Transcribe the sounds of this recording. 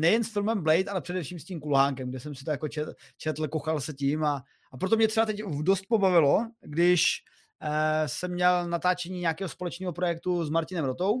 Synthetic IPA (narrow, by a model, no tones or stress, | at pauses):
nɛjɛnsfɪlmɛmblɛjt̪alɛpr̥ɛdɛfʃiːmscʲiːmkulɦaːŋkɛmɡdɛsɛmsɪt̪ojakot͡ʃɛt͡ʃɛt̪l̩koxalsɛcima | ap̬ɾot̪̬omɲɛt̪rɛbat̪ɛcdost̪̚po̞bavɪloɡdɪʃ | sɛmːɲɛlnat̪aːt͡ʃɛɲiːɲɛakɛːɦospo̞lɛt͡ʃniːɦopɾojɛk̚t̪uzmaɾcɪnɛmɾot̪o̞w